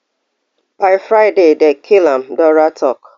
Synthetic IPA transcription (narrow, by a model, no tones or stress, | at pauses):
b̥aɪfɾaɪdedɛkʰɪlãm̩dɔɾatʰɔk